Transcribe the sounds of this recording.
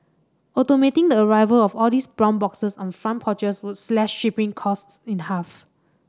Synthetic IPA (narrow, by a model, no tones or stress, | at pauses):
ʔɔtometɪ̃ŋdəəɹaɪvəlɔfɔldisbɹɔ̃nbɔksəsɔ̃nfɹãnpʰɔt͡ʃəswʊtslɛʃːipɪ̃ŋkʰɔstsĩnhaf